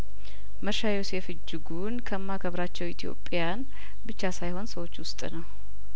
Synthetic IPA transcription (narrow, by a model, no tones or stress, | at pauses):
məɾʃajose̞fɨd͡ʒːɨɡunkʰəmːakʰəβɾat͡ʃːɛwit̪ʰijo̞̰pʼːjan | bɨt͡ʃːasajho̞nsəwo̞t͡ʃːwʊst̪ʼnəw